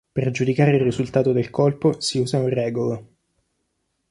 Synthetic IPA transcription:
perd͡ʒud̪ikaːɾeirːizult̪aːt̪od̪elkolposiuːzaurɛːɡolo

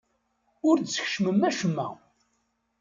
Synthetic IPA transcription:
ʊɾd̪sə̥ç̥ʃməmːæʃəmːæ̰

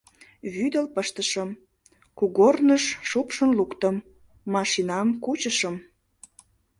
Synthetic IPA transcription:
βyd̪əlpəʃt̪əʃəm | kuɣornəʃːupʃənlukt̪əmː | ɑʃinɑmkut͡ɕəʃəm

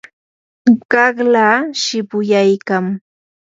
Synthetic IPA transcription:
ɢɑχlaːʃɪpʊjajkam

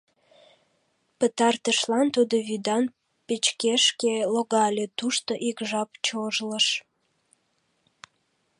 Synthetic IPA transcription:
pət̪ɑrt̪əʃlɑnt̪ud̪oβyd̪ɑn | pet͡ɕkeʃkeloɣɑlʲet̪uʃt̪oʔikʒɑpt͡ɕoʒləʃ

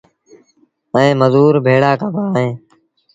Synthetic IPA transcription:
ɛ̃ːməzuːɾbʱeːɽaːkəbaːɦẽː

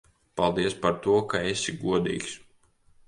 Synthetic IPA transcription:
palˠd̪iɛspaɾt̪uɔkaesʲiɡuɔd̪ḭːks

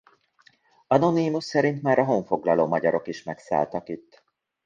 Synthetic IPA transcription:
ɒno̞nimusːɛɾint̪maːɾɒɦoɱfo̞ɡlɒloːmɒɟɒɾʔo̞kiʃmɛksa̰ːlt̪ɒkit̪ː

